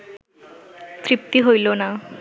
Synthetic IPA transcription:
t̪ɾip̚t̪iɦojlona

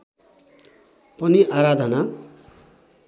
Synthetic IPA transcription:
pʌniʔaɾad̪ʱʌna

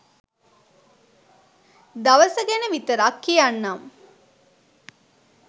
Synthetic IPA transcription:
d̪ɐʋəsɐɡenəʋit̪əɾakːijanːam

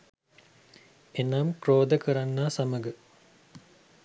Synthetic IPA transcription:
enaːmkroːd̪əkəɾanːaːsaməɡə

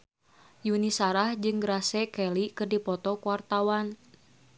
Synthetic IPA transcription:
junisaɾahd͡ʒɨŋɡɾasɛkɛlikɨrdipɔt̪ɔkuwart̪awan

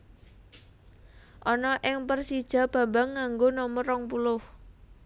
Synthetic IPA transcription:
ʔɔnɔʔɪŋpərsid̥ʒ̥a̤b̥ä̤mbaŋːaŋɡonɔmɔɾɔŋpulʊh

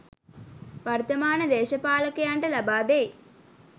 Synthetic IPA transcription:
ʋɐɾt̪ɐmaːnɐd̪ɛːʃɐpaːlɐkejɐɳʈɐlɐbaːd̪eː

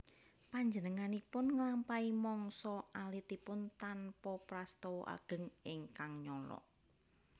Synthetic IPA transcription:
paɲd͡ʒənəŋanipʊnŋəlampaimɔŋsɔalit̪ipʊnt̪anpɔpɾast̪ɔwʔa̰ɡ̥ə̤ŋɪŋkaŋɲɔlɔ̰ʔ

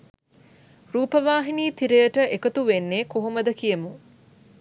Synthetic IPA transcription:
ɾuːpəʋaːɦiniːt̪iɾejəʈəʔekət̪uʋenːeːkoɦoməd̪əkijəmu

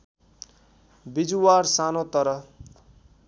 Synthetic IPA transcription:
bid͡zuwarsanot̪ʌɾʌ

